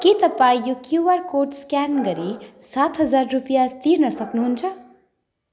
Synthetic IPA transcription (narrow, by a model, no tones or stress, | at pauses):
kit̪ʌpaijokjubʌrkorʈskanɡʌɾisat̪ɦʌd͡zarːupjat̪irnʌsʌknuɦunt͡sʰʌ